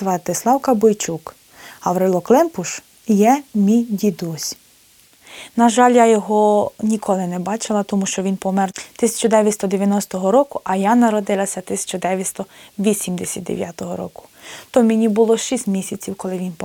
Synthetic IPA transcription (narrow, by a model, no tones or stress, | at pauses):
ʋɐt̪ɪslˠɑwkɐbɔjt͡ʃuk | ɐwɾɪlˠɔklˠɛmpʊʃ | jɛmʲijdʲid̪ɔsʲ | nɐʒɑlʲjajɔɦɔnʲikʰɔlˠɪnɛbɑt͡ʃɪlˠɐt̪ɔmuʃt͡ʃɔʋʲinpɔmɛrt̪ɪsʲɐ̥t͡ʃɔd̪ɛʋʲjɐt̪ʲst̪ɔd̪eʋʲjɐnɔst̪ɔɦɔɾɔkʊʔɐjanɐɾɔd̪ɪlˠɐsʲɐt̪ɪsʲɐ̥t͡ʃɔd̪ɛʋʲjɐst̪ɔʋʲisʲimd̪esʲɐt̪̚ʲd̪ḛʋʲjat̪ɔɦɔ̰ɾɔ̰kʊ̥t̪ɔmʲenʲibʊlˠɔʃisʲt̪ʲmʲisʲɐt͡sʲiwkɔlˠɪʋʲinp